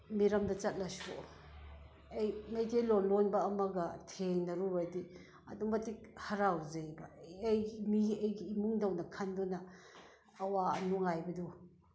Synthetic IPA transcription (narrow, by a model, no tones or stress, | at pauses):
miɾɐmdɐt͡ʃɐt̚lɐso̰ | ejmejtʰejlonlonbɐːmɐɡɐtʰeŋnɐɾubadi | ɐ̰duŋmbɐtik̚hɐɾawzejbɐjimiɐjɡiːmuŋdɐwnɐkʰandunɐː | waɐ̰nuŋajbɐdu